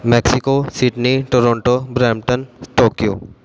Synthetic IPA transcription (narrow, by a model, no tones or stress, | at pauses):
meksikosiʈniʈoɾɔ̃ːɳʈobɾɛːmʈənsʈoːkjo̰